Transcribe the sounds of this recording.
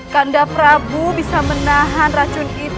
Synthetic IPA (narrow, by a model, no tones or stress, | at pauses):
kandapəɾabubisamənaɦanrat͡ʃʊnit̪